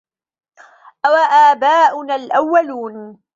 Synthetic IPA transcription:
ʔawaʔaːbaːʔʊnaːlʔawːaluːn

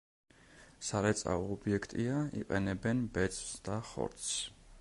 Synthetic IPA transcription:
saɾɛt̪sʼa̰ːbiɛkʰt̪ʼiaḭqʼɛnɛbɛnbɛt̪sʼwsd̪̥aχɔ̰ɾt̪s

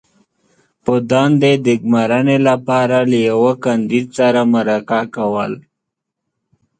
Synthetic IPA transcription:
pod̪ɑnd̪ed̪ɪɡmaɾanelapɑɾalajawəkand̪id̪saɾamaɾakakawəl

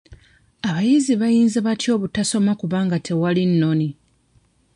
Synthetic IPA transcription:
aβajiziβajiːnzaβatjo̞ːβutaso̞makuβaːŋɡatʰe̞walinːo̞ni

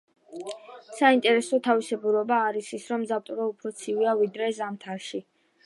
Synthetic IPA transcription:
saint̪ʼɛɾɛsɔt̪ʰavisɛbuɾɔbaːɾisisɾɔmzat̪ʼuɾaupʰɾɔt̪sʰiviavid̪ɾɛzamt̪ʰaʃi

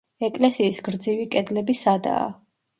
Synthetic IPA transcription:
ɛkʼlɛsiːsɡɾd̪zivikʼɛd̪lɛbisad̪a̰ː

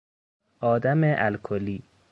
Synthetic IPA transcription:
ʔɒːd̪æmeʔælkʰoliː

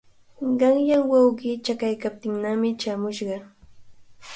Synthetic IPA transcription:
ɢɑŋjaŋwɑwɢiːt͡ʃakajkap̚t̪ɪŋnamɪt͡ʃamʊʃɢɑ

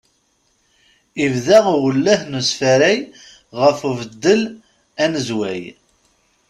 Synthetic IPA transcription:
ivðæʁwəlːæhnusfæɾæj | ʁəfuvəd̪ːəl | ænəzwæ̰j

